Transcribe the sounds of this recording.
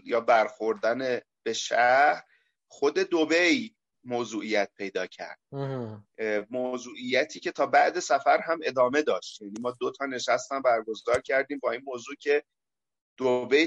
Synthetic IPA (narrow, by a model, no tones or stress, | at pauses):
jɒːbæɾxoɾd̪æne | b̥e̞ʃæɾ | xod̪e̞d̪obe̞j | moːzuːʔijæt̪̚pʰe̞jd̪ɒːcʰæ̰ɾd̪̥̚ | mozuːʔijːæt̪ʰiːcʰe̞t̪ʰɒːbæʔd̪e̞sæfæɾɦæme̞d̪ɒːme̞d̪ɒːʃt̪jæniːmɒːd̪ot̪ʰɒːne̞ʃæst̪æmbæɾɡo̞zd̪ɒːɾcʰæɾd̪iːmbɒːiːnmoːzuːcʰe̞ | d̪̥obej